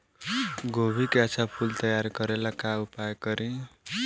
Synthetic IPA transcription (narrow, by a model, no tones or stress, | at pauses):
ɡobʱikasʰapʰult̪ʌjaɾkʌɾelakaupajkʌɾi